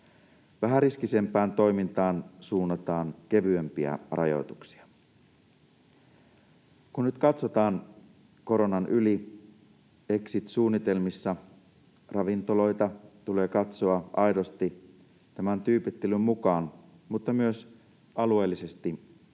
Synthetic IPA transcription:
ʋæɦæriskise̞mpæːnt̪o̞jmint̪ɑːnsuːnːɑt̪ɑːnke̞ʋyømpiæ̰rɑ̰jo̞̰t̪uksi̥ɑ | kunnyt̪kɑt̪so̞t̪ɑːn | ko̞ɾo̞nɑnʔyli | e̞ksit̪suːnːit̪e̞lmisːɑ | rɑʋint̪o̞lo̞jt̪ɑt̪ule̞ːkɑt̪soɑɑjɾo̞st̪i | t̪æmænt̪yːpit̪ːelymmukɑːn | mut̪ːɑmyøs | ɑlue̞ːlːise̞st̪i

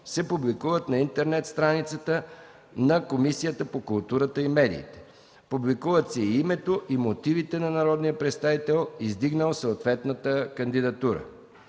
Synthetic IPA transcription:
sɛpublikuvət̪nɐint̪ɛɾnɛt̪st̪ɾanit̪sət̪ə | nɐkomisijət̪əpokʊlˠt̪uɾət̪əimɛd̪ḭːt̪ɛ̥ | publikuvət̪sɛiimɛt̪oʔimot̪ivit̪ɛnɐnɐɾɔd̪nijəpɾɛt̪st̪avit̪ɛlˠizd̪iɡnəlˠsoot̪vɛt̪nət̪əkənd̪id̪ɐt̪uɾə̰

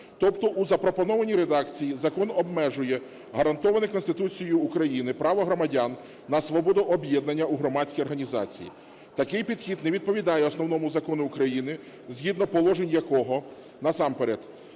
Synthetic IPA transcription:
t̪ɔpt̪ɔʔuzɐpɾɔpɔnɔʋɐnʲiɾed̪ɑkt͡sʲijizɐkɔnɔbmɛʒʊjɛ | ɦɐɾɐnt̪ɔʋɐnɪkɔnst̪ɪt̪ut͡sʲijʊːkɾɐjinɪpɾɑʋɔɦɾɔmɐdʲanː | ɐsʋɔbɔd̪ʊʔɔbjɛd̪nɐnʲːɐuɦɾɔmɑt͡sʲkʲijɔrɦɐnʲizɑ̰t͡sʲḭjḭ | t̪ɐkɪjpʲid̪xʲid̪nɛʋʲid̪̚pɔʋʲid̪ɑjɛɔsnɔwnɔmʊzɐkɔnʊʊkɾɐjinɪ | zʲɦʲid̪nɔpɔlˠɔʒenʲjɐkɔɦɔ | nɐsɑmpeɾed̪

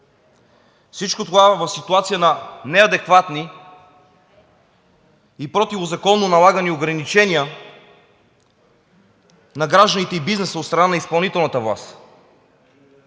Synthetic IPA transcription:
fsit͡ʃkot̪ovavɐfsit̪uat̪sijənɐnɛɐd̪ɛkvat̪ni | ipɾɔt̪ivozɐkɔnːonɐlˠaɡənioɡɾɐnit͡ʃɛnʲijə | nɐɡɾaʒd̪ənit̪ɛibiznɛsəot̪st̪ɾɐnanɐispɐlˠnit̪ɛlˠnət̪əvlˠa̰st̪

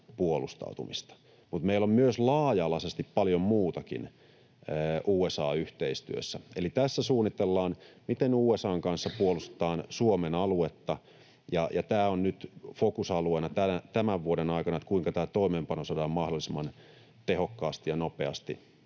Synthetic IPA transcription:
puolust̪ɑ̰ut̪ṵmist̪ɑ̥ | mut̪meilommyøslɑːjɑlɑsest̪ippɑljommuːt̪ɑkḭnː | ʔuːesɑːyht̪eist̪y̰ø̰sːæelit̪æsːæsuːnːit̪elːɑːnmit̪enuːesɑːŋkɑnsːɑpuolust̪e̥t̪ɑːnsuomenɑluet̪ːɑ | jɑjɑt̪æːonnyt̪fokusɑlueːnɑt̪ænæt̪æmæʋʋuodenɑikɑnɑet̪kuiŋkɑt̪æːt̪oimeːmpɑnosɑdɑːmmɑhdolːˑisemːɑn | t̪ehokːɑːst̪ijɑnopeɑst̪i

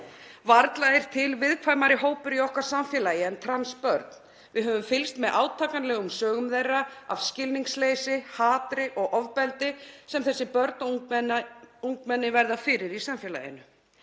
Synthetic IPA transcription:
vaɾt̪laɪɾ̥t̪ʰɪlvɪðkʰvaːjmaɾɪɦoːwpʏɾiɔhkvaɾ̥samfjɛlaːjɪɛnt̪ʰɾanspœɾt̪n | vɪðɦœːvʏmfɪlst̪mɛðʔaːwt̪ʰaːkanlɛːɣʏmsœːɣʏmðejrːaa̰v̥scɪlniŋsleːjsɪhaːt̪ɾɪʔɔɣʔɔvpɛlt̪ɪsɛmθɛsːɪpœɾt̪n | uŋkmɛnːɪvɛɾðafɪɾɪɾisamfjɛla̰jɪ̰nʏ

